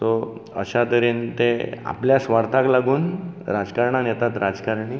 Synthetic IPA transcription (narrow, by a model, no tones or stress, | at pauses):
t̪oə̰ɕat̪əɾiːnt̪ea̰pljasʋaɾt̪ʰaklaɡuːnɾad͡zkaɾɳanɛt̪at̪ɾad͡zkaɾɳi